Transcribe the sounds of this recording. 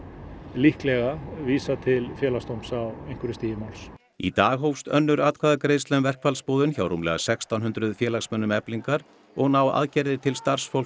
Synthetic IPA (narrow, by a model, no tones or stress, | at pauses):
lihklɛɣaviːsat̪ʰɪlfjɛːlast̪owmsawejŋ̥kʏɾʏst̪iːjɪmawls | ḭt̪aːɣɦowfst̪œnːʏɾaːt̪̚kʰvaːðakɾejðst̪lœnvɛr̥kfalspoːðʏnçawɾumlɛ̰ɣa̰sɛkst̪awnɦʏnt̪ɾʏðfjɛːlaɣsmɛnːʏmɛpliŋkaɾ | ɔɣnawa̰ðcɛɾðɪt̪ʰɪlst̪ar̥sfowl